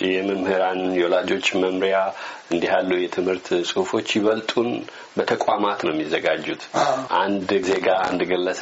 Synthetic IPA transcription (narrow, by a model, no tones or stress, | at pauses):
jɛməmhɨɾanjɛwɔlad͡ʒo̞t͡ʃːməmɾijaʔɨnd̪iɦalːuujɛt̪ʰɨmhɨɾt̪sʼɨhfo̞t͡ʃːjɪβəlt̪ʼun | bət̪ʰəkʼamat̪nəwmːizːəɡad͡ʒːut̪ʰʔand̪ɡzeɡaɨ̰nd̪ɨɡəlːəs